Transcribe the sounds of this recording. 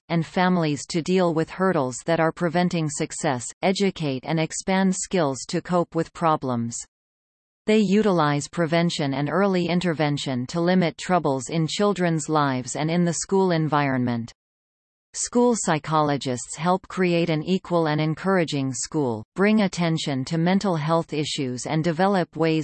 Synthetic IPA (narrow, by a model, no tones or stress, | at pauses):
ɨ̃nfæ̃mlˠiz̥tʰɨdilˠwɪð̥hɜ˞ɾl̩ˠzðɨɾə˞pʰɹ̥ɨvɛ̃ntɪ̃ŋsɨksɛsɛd͡ʒɨkʰeɪɾɨ̰̃nɨkspæ̃ndskɪlˠz̥tʰɨkʰoʊpwɨð̥pʰɹ̥ɑblə̃mz̥ | ðeɪjʉɾəlaɪz̥pʰɹ̥ɨvɛ̃nʃɨ̃nɨ̃nɜ˞lˠiɪ̃ntə˞vɛ̃nʃɨ̃ntʰəlɪ̃mɨtʰɹ̥ʌbl̩ˠzɪ̃nt͡ʃʰɪlˠdɹɨ̃nzlaɪvzɨ̃nɨ̃nðɨskulˠɨ̃ɱvaɪɹɨ̃nmɨ̃nt | skulˠsaɪkʰɑlˠəd͡ʒɨstshɛlˠp̚kʰɹ̥ieɪɾɨ̃nikʰwəlˠɨ̃nɨ̃nkʰɜ˞ɨd͡ʒɪ̃ŋskulˠb̥ɹɪ̃ŋɨtʰɛ̃nʃɨ̃ntʰɨmɛ̃ntˡl̩ˠɦɛlˠθɪʃʉzɨ̰̃ndɨvɛlˠəp̚weɪ